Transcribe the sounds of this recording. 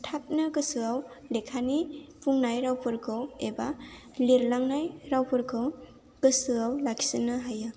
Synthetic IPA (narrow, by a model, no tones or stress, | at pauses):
tʰap̚nɯɡɯsɯawlekʰanipuŋnajɾawpʰɯɾkʰɯwebaliɾlaŋnajɾawpʰɯɾkʰɯw | ɡ̥ɯsɯawlakʰi̥sɯnɯɦajɯ